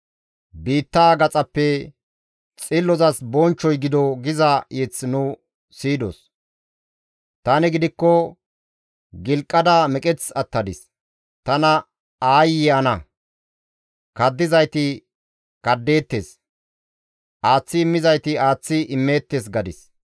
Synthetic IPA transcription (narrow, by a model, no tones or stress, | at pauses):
biːt̪ːaːɡɐt͡sʼɐpːɛ | t͡sʼɪlːɔzɐsbɔnt͡ʃːɔjɡɪd̪ɔɡɪzajɛt͡sːnʊ | siːd̪o̰s | t̪ɐnɪɡɪd̪ɪkːɔ | ɡɪlkʼːɐd̪aːmɛkʼɛt͡sɐt̪ːɐd̪ɪs | t̪ɐnɐ | aːjɪɐnɐ | kɐd̪ːɪzɐjt̪ɪ | kɐd̪ːe̞ːt̪ːeːs | ʔaːt͡sːɪːmːɪzɐjt̪ɪaːt͡sːɪʔɪmːe̞ːt̪ːes̬ɡɐd̪ɪs